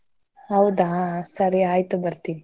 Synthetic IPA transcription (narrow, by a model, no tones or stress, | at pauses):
ɦɐwd̪asɐɾiaːjt̪ubɐɾt̪ini